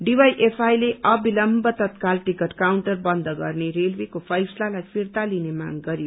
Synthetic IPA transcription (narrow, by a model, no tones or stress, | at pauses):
ɖiwajʔepʰajleʔʌbilʌmbʌt̪ʌt̪kalʈikʌʈkawɳʈʌrbʌnd̪ʱʌɡʌrneɾelwekopʰʌjslalajpʰirt̪alinema̰ɡɡʌɾijo